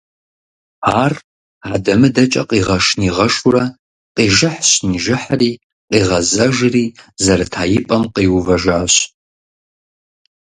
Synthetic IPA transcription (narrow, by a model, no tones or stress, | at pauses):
aːr | adɐmɨdɐt͡ʃʼɐ̰qʼiːʁɐʂniːʁɐʂurɐ | qʼiːʒɨħɕniʒɪħriː | qʼiːʁɐzɐʒriːzɐɾɐtʰaːjɪpʼɐmqiːwuvɐʒaːɕ